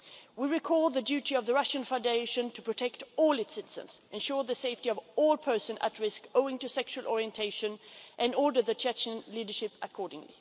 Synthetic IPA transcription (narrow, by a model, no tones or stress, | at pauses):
wiɹɪkʰɔlˠðɨdjʉɾiʌvðəɹʌʃɨ̃nfãʊ̃ndeɪʃɨ̃ntʰəpʰɹ̥ɨtʰɛk̚tɔlˠɨtsɪɾɨz̥ə̰̃nz̥ʔɨ̃nʃʊɹðɨseɪftiʌvɔlˠpʰɜ˞sɨ̃nə̰tɹɪskoʊɪ̃ŋtɨsɛkʃulˠʔɔɹiɨ̃ntʰeɪʃɨ̃nʔɨ̃nɔɹdə˞ðɨt͡ʃʰɛt͡ʃə̃nlidə˞ʃɪpʔəkʰɔɹdɪ̃ŋlḭ